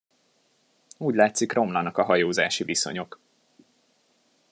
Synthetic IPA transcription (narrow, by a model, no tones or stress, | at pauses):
uːɟlaːt̪sikro̞mlɒnɒkɒɦɒjoːza̰ːʃiviso̞̰ɲo̞k